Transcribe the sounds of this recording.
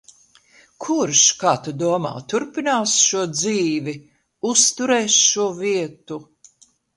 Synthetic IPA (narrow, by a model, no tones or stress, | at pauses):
kʰuɾʃkaːt̪ud̪uɔma̰ːt̪uɾpinaːsʃuɔd̪ziːvi | ust̪uɾɛːsʃuɔviɛt̪u